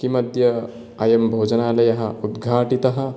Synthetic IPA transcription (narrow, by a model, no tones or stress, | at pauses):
kimɐd̪ʱjɐ | ajembʱoːd͡ʒɐnaːlejɐɦɐ̃ud̪ɡʱaːʈit̪ɐɦɐ